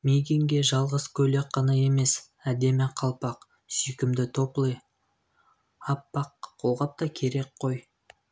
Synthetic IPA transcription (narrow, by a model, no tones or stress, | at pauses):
mejɡʲeŋɡʲe̞ʒɑlˠʁəzkʲʰɵle̞k̚qɑnɑe̞me̞s | æd̪e̞mɪqʰɑlˠpɑq | sʏjkʲɪmd̪ɪt̪ʰo̞plˠəj | ɑpːɑqqʰːo̞lˠʁɑp̚t̪ɑkʲʰe̞ɾe̞k̚qʰo̞j